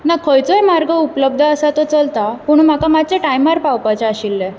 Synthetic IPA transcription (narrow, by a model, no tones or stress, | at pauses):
nakʰəjt͡sɔjmaɾɡʱəupləb̚d̪ʱəəsat̪ɔt͡səlt̪apuɳ̃um̤akamat͡ɕeʈajmaɾpawpat͡ɕaaɕilːe